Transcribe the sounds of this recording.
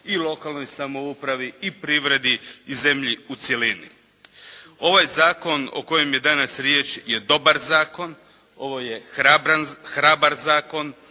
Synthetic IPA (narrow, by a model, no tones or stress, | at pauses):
ilˠo̞kalˠno̞jsamo̞upɾaʋiipɾiʋɾe̞d̪iize̞mʎiut̪sjelinḭ | o̞ʋajzaːko̞no̞̰ko̞je̞mje̞d̪anasɾjeːt͡ʃje̞d̪o̞baɾzaːko̞n | o̞ʋo̞je̞abɾanxɾabaɾzaːko̞n